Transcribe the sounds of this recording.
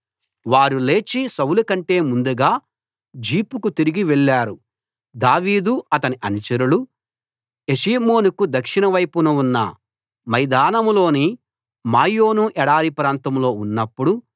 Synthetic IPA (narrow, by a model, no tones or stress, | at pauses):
ʋaːɾule̞ːt͡ʃisɐwulukɐɳʈe̞ːmund̪uɡaː | d͡ʒiːpukut̪iɾiɡiʋɛɭːaːɾu | d̪aːʋiːd̪uɐt̪ɐniʔɐnut͡ʃɐɾulu | eʃiːmo̞ːnukud̪ɐkʂinɐʋɐjpunuunːɐ̰ | mɐjd̪aːnɐmlo̞ːni | maːjo̞ːnuʔɛɽaːɾipɾaːnt̪ɐmlo̞ːunːɐpːuɽu